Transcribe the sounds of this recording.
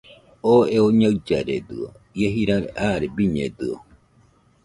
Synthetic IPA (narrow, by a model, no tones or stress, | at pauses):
oeoɲaɰd͡ʒaɾed̪ɯo̰ | jeɦiɾaɾeʔaɾebiɲḛd̪ɯo